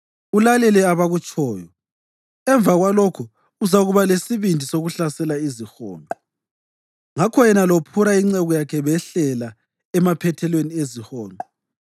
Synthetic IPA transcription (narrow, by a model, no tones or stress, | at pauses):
ulalɛlɛaβaɣut͡ʃʼɔːjɔ | ɛɱb̪vʱaɣwalokʰu | uzaɣuβalesiβindʱisoɣuɬasɛlaizixɔ̰ːnɔ | ŋakʰɔjɛnalopʰuɾaiŋ͡ǀɛɣɔjakʰɛβɛɬɛla | ɛmapʰɛtʰɛlweniezihɔːnɔ